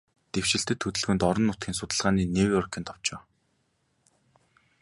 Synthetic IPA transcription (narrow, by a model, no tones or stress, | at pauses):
t̪ew̥ʃɪ̆ɬt̪ɘ̆t̪ʰːɵt̪ɵ̆ɮɣɵ̆nt̪ɔɾɞ̆nːʊt̪ɡʲiːŋsʊt̪ə̆ɮʁaːniːnewjɔrkʰʲɪ̆nt̪ʰɔw̥t͡ɕʊː